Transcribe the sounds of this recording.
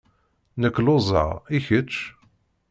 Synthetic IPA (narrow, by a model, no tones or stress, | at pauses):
nəkːlʊzˤə̰ʁiçət͡ʃː